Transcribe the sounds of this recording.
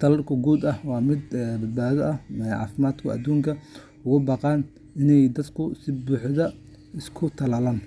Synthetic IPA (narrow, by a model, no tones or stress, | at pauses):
t̪ʰɐlɐrkʰʊɡuːd̪ɐhwɑːmɪd̪bɐd̪̚baːðɔʔɐhʕɑ̰ːfɪmaːd̪kʰʊɐ̰d̪uːŋkʰɐ | ʊɣʊbɑːqɑːn | ɪnɛjd̪ɐd̪kʰʊsɪbuːħðɐ | ɪskʰʊt̪ʰɐlɐlaːn